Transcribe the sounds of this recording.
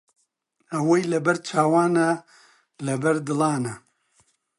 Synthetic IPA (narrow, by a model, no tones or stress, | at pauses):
ɐwojlɐbɐɾt͡ʃʰaːwaːna | lɐbɐɾd̪ɨlˠɑːnɐ